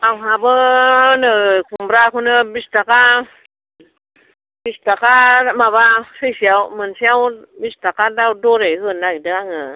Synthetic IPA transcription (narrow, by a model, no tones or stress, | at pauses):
ʔawɦabəanəkʰumɾakʰunəbist̪aka | bist̪akamabasɯjsiawmɯnsiawbist̪akadawdoɾejhɯnːajdəaŋə